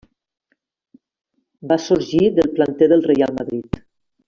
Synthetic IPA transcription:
basuɾʒiðəlˠplant̪eðəlˠrejalˠməðɾit̪

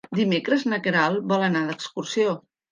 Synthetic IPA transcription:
d̪imekɾəznəkəɾalˠβɔlənaðəkskursio

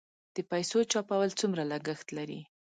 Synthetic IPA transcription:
d̪̥əpajsot͡ʃɑpawəlt͡sumɾalaɡəxt̪laɾḭ

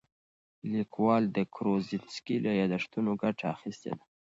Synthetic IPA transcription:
likwɑld̪əkɾozitskilejɑd̪aʂt̪unoɡaʈaːxist̪ḛd̪a

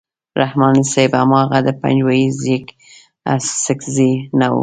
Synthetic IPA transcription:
ɾahmɑnisaba̰mɑɣad̪əpa̰nd͡ʒwajizek | a̰ssɪkzinawṵ

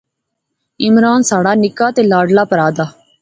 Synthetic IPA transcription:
ɪmɾaːnsaːɽaːnɪkaːt̪eːlaːɖlaːpəɾaːd̪aː

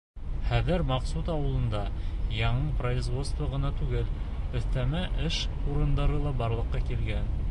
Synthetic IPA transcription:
χæðɘɾmɑqsut̪ɑwɤ̆lˠɤ̆nd̪ɑjɑɴɤprɐizvo̞t̪st̪vɑʁɤ̆nɑt̪ʉɡɘlɵ̆θt̪æmæʔɘʃ | uɾɤ̆nd̪ɑɾɤlˠɑbɑɾlˠɤ̆qːɑkilɡæn

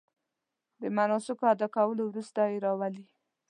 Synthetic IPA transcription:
d̪əmanɑsɪkoad̪ɑkawəlowɾust̪ajeɾɑwali

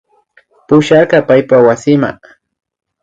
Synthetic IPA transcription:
pʊʃɑɾqɑpajpawasɪma̰

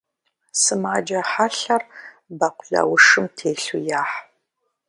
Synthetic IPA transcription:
sɨmaːd͡ʒɐħaɬɐr | bɐqʷʊɮɐ̰wʊʂɨmtʰeːɬujaːħ

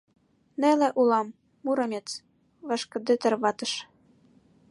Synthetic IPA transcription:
nelĕʔulɑmː | uɾɤ̆mʲet͡s | vɑʃkɤ̆d̪ɘ̆t̪ɘ̆rβɑt̪ɤ̆ʃ

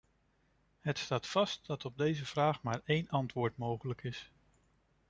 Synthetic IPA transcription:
ɦətstaːtfɑst̚d̥ɑtɔb̚dejzəv̥raːχmaːɹejnʔɑntʋʊːɹtmowχələkɪs

